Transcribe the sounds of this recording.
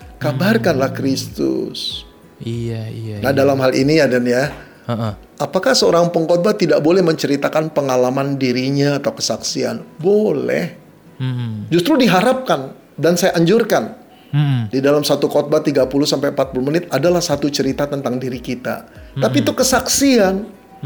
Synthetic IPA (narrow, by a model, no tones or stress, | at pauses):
kabarkanlahkɾist̪ʊ̰s | iainahdalamɦalḭnijadanja | apakahsəoɾaŋpəŋkɔt̪̚bat̪idaʔ̚bolɛhməɲt͡ʃəɾit̪akanpəŋalamandiɾiɲaːt̪awkə̥saksia̰nbolɛ̰h | d͡ʒust̪ɾudiɦaɾap̚kan | dansajaʔːɲd͡ʒʊrkan̩ | didalamsat̪ukɔt̪̚bat̪iɡapuluhsampajmpat̪̚puluhmənɪt̪̚adalahsat̪ut͡ʃəɾit̪at̪ənt̪aŋdiɾikit̪a̰t̪apit̪ukəsaksian